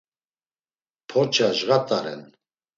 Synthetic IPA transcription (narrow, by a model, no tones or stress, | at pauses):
pʰɔt͡ʃʰʼaʒɣat̪ʼaɾɛ̰n